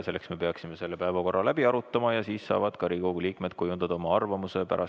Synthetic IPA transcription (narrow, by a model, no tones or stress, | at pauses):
se̞lːeksme̞pe̞ɑksime̞se̞lːepæevɑko̞rːɑlæb̥iɑɾut̪ːˑɑmɑjɑsiːssɑ̰ːvɑd̪̥kɑɾiko̞ɡ̥uliːkme̞d̪̥̚kujund̪̥ɑd̪̥ɑomɑɑrvɑmuse̞pæ̰ɾʔɑ